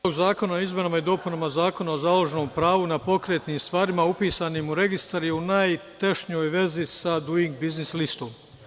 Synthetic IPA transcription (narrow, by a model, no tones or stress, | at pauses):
oɡzaːko̞naizme̞noːmaid̪o̞ːpunamazaːko̞naozaːlˠo̞ʒeno̞mpɾaːʋunapo̞kɾe̞ːt̪niːmst̪ʋaːɾimaupiːsanimuɾe̞ɡist̪aɾjeunajt̪eʃɲojʋe̞zisad̪uiŋɡ̚biznislist̪om